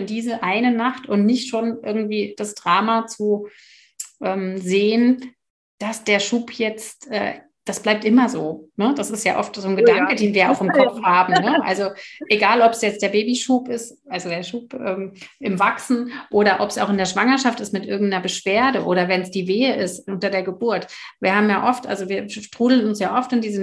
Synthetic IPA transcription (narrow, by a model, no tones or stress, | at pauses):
ɪndiːzəʔaɪnənaχtʊntnɪçtʃoːnʔɪɐɡŋ̩tv̥iːd̥asd̥ʁaːmat͡su | ʔɛːmzeːən | d̥asd̥eːɐʃuːpʰjɛt͡stʔɛ̰ː | d̥asb̥laɪp̚tʔɪmɐzoːnəd̥asɪstja̰ːʔɔftz̥oːnɡədaŋkədeːnviːɐa̰ʊxɪmkʰɔfhaːbm̩nəʔa̰lzoʔeɡaːlɔpsjɛt͡std̥eːɐbeːbiʃuːpɪst | ʔalzodeːɐʃuːpʔɛːmʔɪmvaksn̩ʔoːɾɐʔɔpsaʊxɪndeɐʃv̥aŋɐʃaftɪstmɪtʔɪɐɡŋ̩tnɐbəʃv̥eːɐdəʔoːɾɐvɛnsd̥iːveːəʔɪstʔʊntɐdeːɐɡəbʊɐtviːɐhaːbmjaːʔɔftʔa̰lzoviːɐʃtʁ̥uːdl̩nʊnsjaːʔɔftɪndiːzə